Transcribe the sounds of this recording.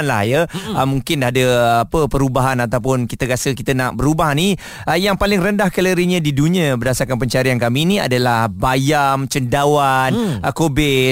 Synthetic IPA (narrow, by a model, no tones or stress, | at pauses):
nla̰hjaəmũŋkɪndaɦadəapəpəɾubaɦanat̪awp̬ʊnkit̪əɡasəkit̪ənaʔbəɾubaɦni | əjaŋpalɪŋrəndahkələɾiɲãdidunĩãbərdasarkanpəɲt͡ʃaɾiankaminĩa̰dalahbajamt͡ʃəndawankobɪ